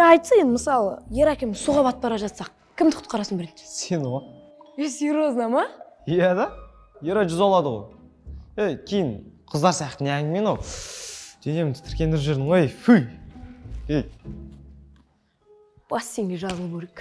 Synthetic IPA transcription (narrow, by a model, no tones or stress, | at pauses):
ɑjt̪səje̞nd̪ɪməsɑlˠə̰je̞ɾækʲemɪsuʁɑβɑt̪̚bɑɾɑʒɑt̪sɑq̚ | kʲʰɪmd̪ɪqʰʊ̥t̪̚qɑɾɑsənbɪɾense̞nʁo | esiɾoznɑmɑjæd̪ɑ | jeɾɑʒʏzɑlˠɑd̪əʁo̞̰j | ekʲʰejɪnqʰəzd̪ɑɾsijɑqt̪ɪneæŋɡʲɪme̞nɑw | d̪̥e̞ne̞mɪnt̪ʰɪɾkʲe̞nɪɾʒe̞ɾd̪ɪɴʁojejfuj | ej | b̥ɑsːe̞ŋɡ̪ʲeʒɑzəlˠəkʰʲeɾek